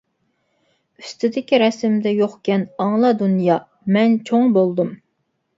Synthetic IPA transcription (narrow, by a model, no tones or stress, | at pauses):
yst̪ʰɪd̪ɪkʲiɾɛsɪmd̪ɛjoχkʲʰɛnɑŋlˠɑd̪unjɑː | mɛnt͡ʃʰoŋbolˠd̪um